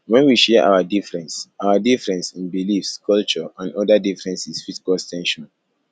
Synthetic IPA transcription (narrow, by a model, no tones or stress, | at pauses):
wɛ̃nwiʃɛɛʔa̰wadifɹɛ̃nsawadifɹɛ̃nsĩnbilifskʰɔlt͡ʃɔãnɔdadifɹɛ̃nsisfizi̥kɔltʰɛ̃nʃɔ̃n